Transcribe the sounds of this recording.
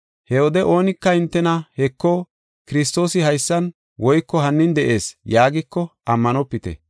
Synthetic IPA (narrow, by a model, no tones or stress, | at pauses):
hɛwɔd̪ɛʔo̞ːnɪkːɐɪnt̪ːɛnɐhɛkːɔ | kɪɾɪs̬t̪o̞ːsɪhɐjsːɐn | wɔjkːɔɦɐnːɪnd̪ɛʔe̞ːsjaːɡɪkːɔʔɐmːɐnɔpːɪt̪ɛ̰